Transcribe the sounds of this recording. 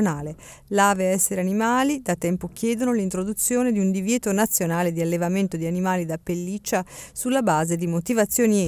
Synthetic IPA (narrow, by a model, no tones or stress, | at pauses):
naːle | laːveaɛsːeɾeanimaːlid̪at̪ɛmpok̟jɛːd̪onolint̪ɾod̪ut̪sːjoːned̪iund̪ivjɛːt̪onat̪sːjonaːled̪ialːevament̪od̪ianimaːlid̪apːelːit͡ʃːasulːabaːzed̪imot̪ivat̪sːjoːni